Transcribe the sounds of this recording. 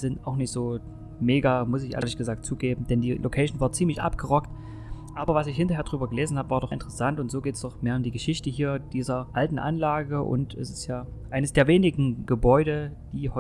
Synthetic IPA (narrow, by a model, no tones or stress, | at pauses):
z̥ɪntaʊxnɪçtz̥oː | meːɡaːmʊsɪçʔḛɐlɪçɡ̥əzaːk̚tt͡suːɡeːbm̩d̥ɛndiːlʔokʰɛɪʃn̩vaːɐt͡siːmlɪçʔa̰pɡ̥əʁɔkt | ʔaːbɐvasɪçhɪntɐɦeːɐdʁyːbɐɡəleːzn̩haːbəvaːɐdɔʔɪ̰ntə̥ʁəsantʊntz̥oːɡeːtsd̥ɔχmeːɐʊmdiːɡəʃɪçtəɦiːɐd̥iːzɐʔaltn̩ʔa̰nlaːɡəʔʊ̰ntɛ̰sɪ̥stjaː | ʔaɪnəsd̥eːɐveːnɪɡŋ̩ɡ̥əbɔʏɾəd̥iːhɔ